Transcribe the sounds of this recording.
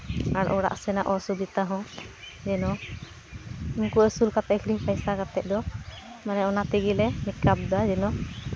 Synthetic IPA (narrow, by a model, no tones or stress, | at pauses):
aɽ̰ʔɔɽa̰ʔsɛnaʔɔsubit̪aɦɔ̃ | d͡ʒɛnɔ | inkuəsulkat̪ɛkʰiliŋpajsakat̪ɛʔ̚ˀd̪ɔ | manɛɔnat̪iɡilɛmit̪kap̚d̪ad͡ʒɛnɔ